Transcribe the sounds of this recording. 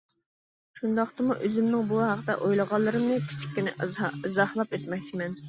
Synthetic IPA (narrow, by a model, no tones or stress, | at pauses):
ʃund̪ɑχt̪ɨmuʔøzymnɪŋbuɦɑqd̪ɛ̰ʔojlˠəʁɑlˠːɨɾɨmnɨkʲʰi̥t͡ʃʰi̥kʲːynɪʔzɑhlˠɑpet̪mɛk̚ʲt͡ʃʰimɛn